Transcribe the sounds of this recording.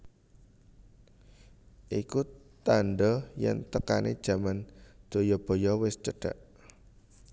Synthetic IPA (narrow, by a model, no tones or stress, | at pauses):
ʔikut̪anɖɔjɛ̰nt̪əkanḛd̥ʒ̥a̤mand̪̥o̤jɔb̥ɔ̤jɔwɪst͡ʃəɖ̥a̤ʔ